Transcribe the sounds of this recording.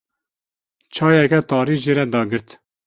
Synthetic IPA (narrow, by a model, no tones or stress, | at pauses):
t͡ʃʰɑːjɛkɛt̪ɑːɾiʒeɾɛd̪ɑːɡɨɾt̪